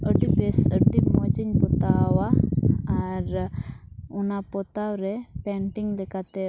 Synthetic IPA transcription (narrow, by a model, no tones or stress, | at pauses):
əʈibɛsəʈimɔt͡ʃiɲpɔt̪awaaɾ | unapɔt̪awɾɛpɛɳʈiŋlɛkat̪ɛ